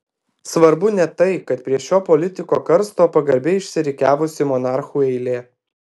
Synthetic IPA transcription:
sʋɐɾbʊnʲɛt̪ɐɪkɐt̪pʲɾʲiɛʃʲoːpɔlʲɪt̪ʲɪkoːkɐɾst̪oːpɐɡɐɾʲbʲeːɪʃʲsʲɪɾʲɪkʲæːʋʊsʲɪmɔnɑˑɾxuːɛɪlʲeː

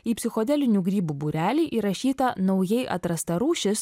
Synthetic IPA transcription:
iːpʲsʲɪxɔd̪ʲɛlʲɪnʲuːɡɾʲiːbuːbuɾʲæːlʲiːʔiɾɐʃʲiːt̪ɐnɒʊjɛɪʔɐ̰t̪ɾɐst̪ɐɾuːʃʲɪs

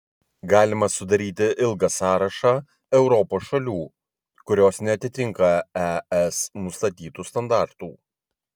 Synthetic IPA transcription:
ɡɑːlʲɪmɐsʊd̪ɐɾʲiːt̪ʲɪʔɪlˠɡɐsɑːɾɐʃɑː | ɛʊɾɔpoːsʃɐlʲuː | kʊɾʲoːsnʲɛɐt̪ʲɪt̪ʲɪŋˑkɐɛɛsnʊst̪ɐt̪ʲiːt̪uːst̪ɐnd̪ɑˑɾt̪uː

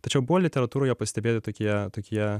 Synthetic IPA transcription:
t̪ɐt͡ʃʲɛʊbʊʋɔlʲɪt̪ʲɛɾɐt̪uːɾʊːjɛːpɐsʲt̪ʲɛbʲeːt̪ʲɪt̪oːkʲiɛt̪oːkʲiɛ

